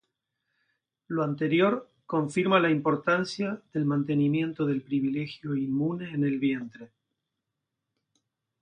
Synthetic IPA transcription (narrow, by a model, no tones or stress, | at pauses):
loant̪e̞ɾjo̞ɾ | ko̞ɱfiɾmalaimpo̞ɾt̪ansjaðe̞lmant̪e̞nimje̞nt̪o̞ðe̞lpɾiβ̞ile̞xjo̞imːune̞ːne̞lβje̞nt̪ɾe̞